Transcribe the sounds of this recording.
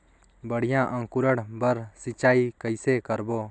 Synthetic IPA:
bəɽ̤ɪjãːʔə̃ŋkuɾəɽbəɾsit͡ʃaːikəjsekəɾboː

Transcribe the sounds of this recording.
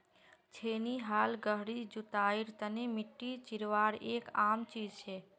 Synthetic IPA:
t͡ʃʰeːniɦaːlɡəɦɽid͡ʒut̪aːiɾt̪ənimɪʈːit͡ʃiɾʋaːɽeːkaːmt͡ʃiːd͡ʒt͡ʃʰe

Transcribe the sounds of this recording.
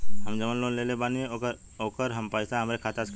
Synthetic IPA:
ɦəmd͡ʒəmənlõːnleːlebaːniɦẽoəɾ | oːkəɾɦɐmpəːsaɦɐmɾekʰaːt̪as

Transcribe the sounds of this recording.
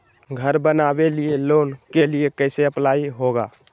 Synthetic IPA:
ɡʱəɾbənabelielonkeliekəɪseəplaiɦoɡa̰

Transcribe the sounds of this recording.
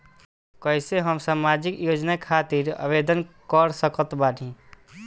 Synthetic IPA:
kəɪseɦəmsaːmaːd͡ʒɪkjoːd͡ʒnakʰaːt̪iɾə̰ʋeːd̪ənkɔɾsəkət̪baːnĩ

